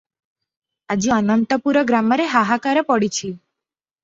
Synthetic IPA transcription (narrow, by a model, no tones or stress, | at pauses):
ad͡ʒuanənt̪əpuɾəɡɾaməɾeɦaɦakaɾəpɔɽit͡ʃʰi